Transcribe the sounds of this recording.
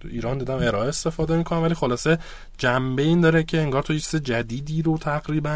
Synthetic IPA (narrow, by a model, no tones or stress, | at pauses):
iːɾɒːnd̪iːd̪æme̞ɾɒːʔeest̪e̞fɒːd̪e̞miːkʰo̞næmvæliːxo̞lɒːse̞ | d͡ʒæmbe̞iːnd̪ɒːɾecʰeːŋɡɒːɾt̪ʰojet͡ʃʰized͡ʒæd̪iːd̪iːɾot̪ʰæɣɾiːbæn